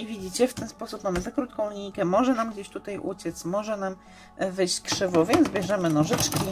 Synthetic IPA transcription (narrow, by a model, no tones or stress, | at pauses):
ivʲid͡ʑit͡ɕɛft̪ɛnspɔsupmamɘzakɾut̪̚kɔ̃w̃lʲikɛmɔʐɛnamɡd͡ʑeɕt̪ut̪ajʔṵt͡ɕɛt̪smɔʐɛnam | vɘjɕt͡ɕkʂɘvɔvʲjɛnd̪zbʲjɛʐɛmɘnɔʐɘt͡ʂkʲi